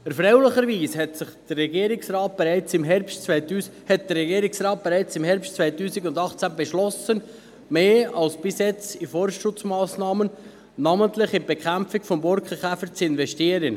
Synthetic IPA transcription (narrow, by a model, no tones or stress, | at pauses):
əɾfɾɛwləχəɾʋiːshɛtsɪχd̪̥ərːɛɡiəɾɪksɾɑːt̪̚b̥ɛɾɛɪt͡sɪmɦɛɾpstt͡sʋɛtuːhɛt̚d̪̥əɾrɛɡiːəɾɪksɾɑːt̪̚b̥ɛɾɛɪt͡sɪmɦɛɾpstt͡svɛɪjt̪uːsɪɡʊnd̪ɑχt͡sæbɛʃlɔsən | meːɑlsb̥ɪsjɛt͡sifɔɾʃʊt͡smɑːsnɑːmən | nɑmənt̪lɪχɪb̥ɛkχæmpfɪkfɔmbɔɾkχəχæfəɾt͡sɪnvɛʃtiəɾən